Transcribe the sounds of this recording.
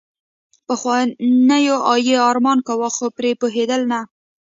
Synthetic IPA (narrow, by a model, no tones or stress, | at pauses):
pəxwanəjoʔɑjeɑɾmɑnkawaxopɾepoɦed̪əlna